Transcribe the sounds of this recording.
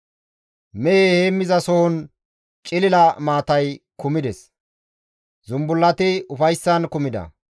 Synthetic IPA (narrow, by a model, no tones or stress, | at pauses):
mɛeheːmːɪzɐsɔhɔn | t͡ʃʼɪlɪlɐmaːt̪ɐjkʊmɪd̪ɛs | zʊmbʊlːɐt̪ɪʊfɐjsːɐnkʊmɪd̪ɐ̰